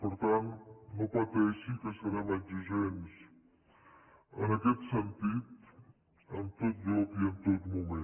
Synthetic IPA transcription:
pəɾt̪ant̪nopət̪ɛsikəsəɾamanʲd͡ʒiʒɛns | ənəkɛt̪sənt̪it̪ | əmt̪ot̪̚ʎɔpiənt̪ot̪mume

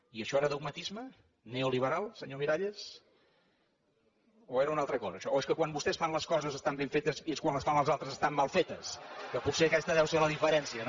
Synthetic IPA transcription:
iəʃɔeɾəðuɡmət̪izmə | neoliβ̞əɾalˠsəɲomiɾaʎes | oeɾəunalˠt̪ɾəkɔzəːʃɔoeskəkwambust̪ɛsfanləskɔzəzəst̪ambeɱfet̪əzieskwanləsfanləlˠzalˠt̪ɾəzəst̪amːalˠfet̪əskəputseəkɛst̪əðɛwseləðifəɾɛnsiən

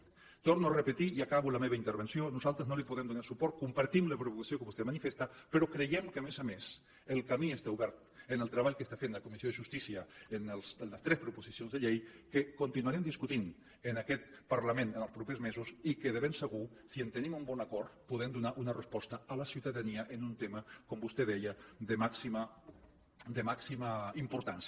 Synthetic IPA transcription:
t̪oɾnuarəpət̪iiakaβuləmeβaint̪əɾβənsionuzalˠt̪ɾəznolipuðɛmd̪unasupɔɾt̪̚kumpaɾt̪imləpɾuβukasiokəβust̪emanifest̪apəɾɔkɾejɛmkəmezames | əlˠkamiest̪auβɛɾt̪ənəlˠt̪ɾəβaʎkəst̪afenləkumisioðəʒust̪isiəːnəlˠsnləst̪ɾɛspɾupuzisionzðəʎejkəkunt̪inuaɾɛmd̪iskut̪in | ənakɛt̪paɾlamẽnənəlˠspɾupezmezusikəðəβemsəɣu | siənt̪ənimumbɔnakɔɾt̪puðɛmd̪unaʔunərəspɔst̪əːləsiwt̪aðaniəʔənunt̪eməkombust̪eðɛjəd̪əmaksimə | d̪əmaksimaimpuɾt̪ans

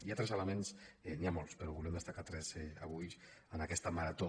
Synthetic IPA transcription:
iat̪ɾɛzələmensniamolˠspəɾɔβulɛmd̪əst̪akat̪ɾɛzɛa̰βujs | ənakɛst̪əmaɾat̪o

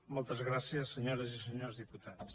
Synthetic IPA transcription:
molˠt̪ɐzɣɾasiɐsːəɲoɾɐzisəɲoɾzðiput̪aðs

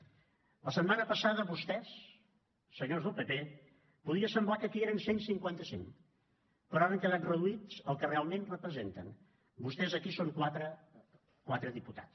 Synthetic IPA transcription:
ləsəmmanəpəsaðəβust̪ɛsː | əɲozðəlˠpepe | puðiəsəmblakəkieɾənsensiŋkwant̪əsḭŋ | pəɾɔɾəŋkəlarəðuiz̥əlˠkərealˠmenrəpɾəzent̪ə̰n | bust̪ɛzəkisoŋkwat̪ɾə | kwat̪ɾəðiput̪a̰t͡s

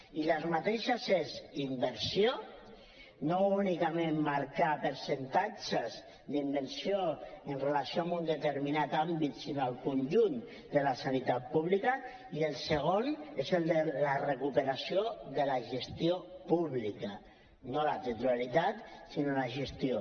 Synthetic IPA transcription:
ilazmat̪eʃazezimbəɾsio | nounikamẽmmaɾkapəɾsent̪at͡ʃez | d̪imbəɾsioənrelasioamund̪et̪eɾminat̪ambit̪sinoalˠkunʒun | d̪əlasanit̪at̪̚puβlika | ielˠseɣ̞onezelˠd̪elarekupeɾasijoðəlaʒest̪iopuβlika | nolat̪et̪ɾualit̪at̪sinolaʒest̪io

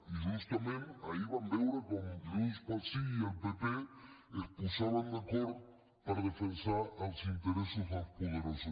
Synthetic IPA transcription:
iʒust̪amẽnaiβand̪ewɾakomuspasiialpepeespusaβand̪ekoɾð | paɾaðefensaɾalsint̪eɾesosaspoðeɾaso

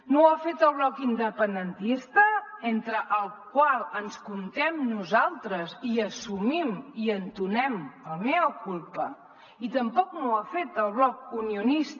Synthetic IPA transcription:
noafet̪əlˠβlɔkind̪əpənd̪ənt̪ist̪əent̪ɾəʔəlˠkwalˠənskunt̪ɛmnuzalˠt̪ɾəziəsumimiənt̪unɛməlˠmɛəkulˠpə | it̪əmpɔknoafet̪əlˠβlɔk̚uniunist̪

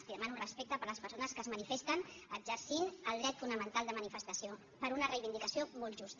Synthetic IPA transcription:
siðəmanurəspek̚t̪əpəɾləspəɾsonəskəzmənifest̪ənəɡzəɾsinəlˠd̪ɾɛt̪funəmənt̪alˠd̪əmənifəst̪əsijo | pəɾunərəjβind̪ikəsiomɔlˠʒust̪

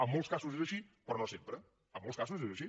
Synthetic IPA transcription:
əmːolˠskazuzezəʃipɾɔnosempɾə | əmːolˠskazuzezəʃi

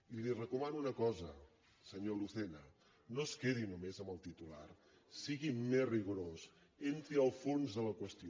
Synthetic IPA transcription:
ilirəkumanuːnəkɔzə | səɲoluθenə | noskeðinumezəmbəlˠt̪it̪ula̰r | siɣimezriɣuɾos | ent̪ɾiəlˠfonzðələkwəst̪io

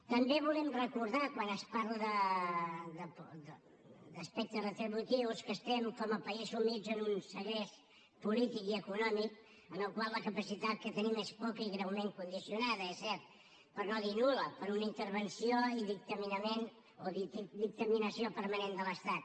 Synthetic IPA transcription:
t̪əmbeβ̞ulɛmrəkuɾðakwanəspaɾləðə | d̪əd̪ | d̪əspɛk̚t̪ərət̪ɾəβut̪iwskəst̪ɛmkɔməpəizumid͡zənunsəɣes | pulit̪ikiəkunɔmik̚ | ənəlˠkwalˠləkəpəsit̪at̪̚kət̪ənimespɔkəiɣɾəwmeŋkund̪isiunaðəesɛɾt̪̚ | pəɾnoðinuləpəɾunəint̪əɾβənsioiðik̚t̪əminəmen | oðid̪ik̚t̪əminəsiopəɾmənend̪ələst̪at̪̚

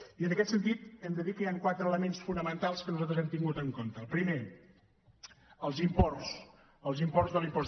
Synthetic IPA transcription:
iənəkɛt̪sənt̪it̪ɛmd̪əðikəjaŋkwat̪ɾələmensfunəmənt̪alˠskənuzalt̪ɾəzɛmt̪iŋɡut̪əŋkont̪əːlˠpɾime | əlˠzimpɔrs | əlˠzimpɔzðəlimpɔ

